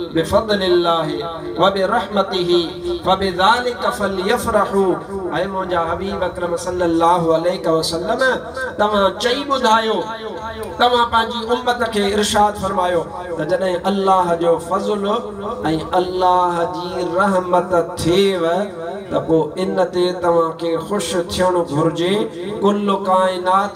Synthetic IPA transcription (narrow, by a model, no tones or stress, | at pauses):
bɪfɐd̪ˤlɪlːaːɦɪ | ʋɐbɪɾɐhmɐt̪ɪɦɪ | fɐbɪðaːlɪkɐfɐljɐfɾɐħuɛ̃ːmʊ̃ɦɪ̃ɲd͡ʑaːɦɐbiːbbɐkɾəmsɐlːɐlːaːɦʊɐleːɪkɐʋɐsɐlːəm | t̪ɐʋ̤ãt͡ɕɐiɓʊd̪ʱaːjoː | t̪ɐʋ̤ãpɐ̃ɦɪ̃ɲd͡ʑiʊmːət̪ə̆kʰeːɪɾʃaːd̪fɐɾmaːjo | t̪ɐd͡ʑɐɗɦɪ̃ʔɐlːaːɦd͡ʑoːfɐzl | ɛ̃ːʔɐlːaːɦd͡ʑiːɾɐɦmət̪t̪ʰːeʋɪ | t̪ɐpoːɪnt̪et̪ɐʋ̤ãkʰeːxʊʃt̪ʰijəɽ̃obʱʊɾɪd͡ʑe | kʊlʊkaːɪ̃naː